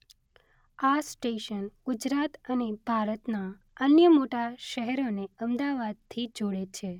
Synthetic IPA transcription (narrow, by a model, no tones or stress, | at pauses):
asʈeʃənɡ̥ʊd͡ʒɾat̪ənebʱaɾət̪na | ənjəmoʈaʃəɦɛɾoneəmd̪aʋad̪̚t̪ʰid͡ʒoɽet͡ʃʰe